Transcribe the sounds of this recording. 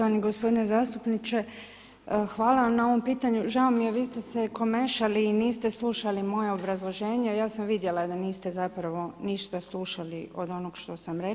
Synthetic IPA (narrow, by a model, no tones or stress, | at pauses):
oʋaniɡospo̞d̪inezaːst̪upnit͡ʃe̞ | xʋaːlˠaʋamnao̞ʋo̞mpiːt̪aɲuʒaomije̞ʋiːst̪eseko̞meʃaliːniːst̪eslˠuːʃalimo̞je̞obɾazlˠo̞ʒe̞ːɲejaːsamʋid̪je̞lad̪aniːst̪e̞zapɾaʋo̞niʃt̪aslˠuʃaliod̪o̞noɡʃt̪o̞samɾe